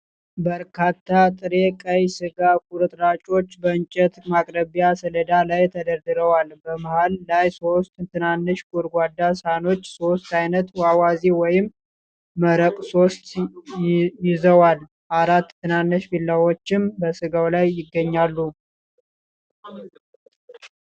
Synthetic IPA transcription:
bəɾkʰat̪ʰːat̪ʼɨɾe̞kʼəjsɨɡak̚ʰuɾɨt̪ʼɾat͡ʃʼo̞t͡ʃːbəɨnt͡ʃʼːɛt̪makʼɾəβjasələd̪alajt̪ʰəd̪əɾd̪ɨɾəwalbəmahalːajso̞st̪ʼt̪ʰɨnanːɨʃkʼuɾɡʷad̪ːasano̞t͡ʃːso̞st̪ajnət̪wawaziwɔjɪmː | əɾəkʼso̞st̪ | jɪzəwal | ʔaɾat̪ʰːɨnanːɨʃbilːawot͡ʃːɪmbəsɨɡawlajːɪɡːəɲːalːu

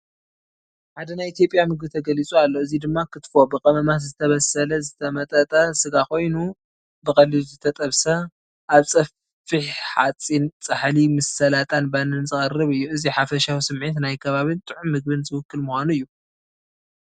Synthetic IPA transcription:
ħad̪ɐnajit̪jo̞pʼjamɨɡ̚bɨt̪ʰɐɡɐlit͡sʼualːo̞ɨzid̪ɨmːakʰɨt̪fo̞bɨkʼɐmɐmat̪zɨt̪ʰɐβɐsɐlɐzɨt̪ʰɐmɐt̪ʼɐt̪ʼɐsɨɡakʰo̞jnu | bɨxʼɐlizɨt̪ʰɐt̪ʼɐβsɐ | ʔaβsʼɐ | fɨħħa̰t͡sʼint͡sʼɨħlimɨsɐlat̪ʼanbanɨnzɨxʼɐrɨβɨjːuɨziħafɐʃawisɨmʕit̪najkʰɐβaβɨnt̪ʼɨʕumːɨɡ̚bɨnzɨwʊkːɨlmuxʷanuɨjːu

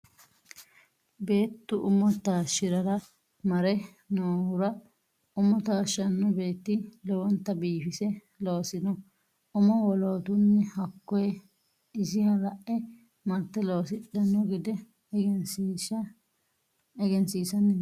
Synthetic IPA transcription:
be̞ːt̪ːʊʔʊmɔt̪aːʃːɪɾɐɾɐ | mɐɾɛ | noːhʊɾɐ | ʊmɔt̪aːʃɐnːɔbe̞ːt̪ːɪlɔwɔnt̪ːɐbiːfɪsɛ | loːsɪnɔ | ʊmɔwɔloːt̪ʊnːɛhɐkːɔjɛ | ɪsɪhɐlɐʔɛ | mɐt̪ːɛloːsɪɗɐnːɔɡɪd̪ɛ | ɛɡɛnsiːsɐnɛ

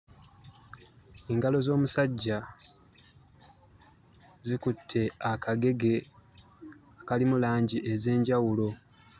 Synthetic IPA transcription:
eːŋɡalo̞zo̞ːmusaɟːa | zikutʰːe̞akʰaɡe̞ɡe̞ | akalimulaːɲɟiʔeze̞ːɲɟawulo̞

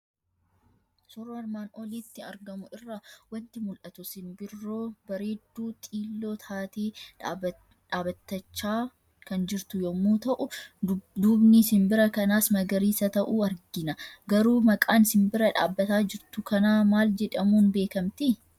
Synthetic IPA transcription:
sʊɾɐɾmaːnɔliːt̪ːɪɐ̰ɾɡɐmʊɪrːawɐnt̪ɪmʊlʔɐt̪ʊsɪnbɪrːo̞ːbɐɾe̞ːd̪ːuːt̪ʼiːlːo̞ːt̪ʰaːt̪eːᶑ | ᶑaːbɐt̪ːɐt͡ʃːaː | kɐnd͡ʒɪɾt̪ʊjɔmːuːt̪ɐʔʊ | d̪uːbnɪsɪmbɪɾɐkɐnaːsmɐɡɐɾiːsɐt̪ɐʔuːɐɾɡɪnɐɡɐɾuːmɐkʼaːnɪsɪmbɪɾɐᶑa̰ːbːɐt̪aːd͡ʒɪɾt̪ʊkɐnaːmaːld͡ʒɛᶑɐmuːnbe̞ːkɐmt̪ɪ

